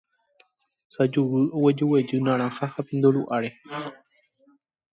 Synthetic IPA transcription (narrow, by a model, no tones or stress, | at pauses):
sad͡ʒuwɨowed͡ʒuwed͡ʒɨnãɾ̃ãhahapind̪oɾuʔaɾe